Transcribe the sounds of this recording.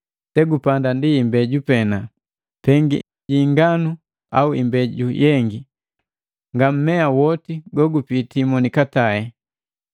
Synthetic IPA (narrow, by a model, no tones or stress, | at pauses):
tɛɡupandandiːmbɛɟupɛna | pɛŋɡḭ | ɟiŋɡanu | auḭmbɛɟujɛŋɡi | ŋɡam̩mɛawɔtiɡɔɡupitimɔnikataɛ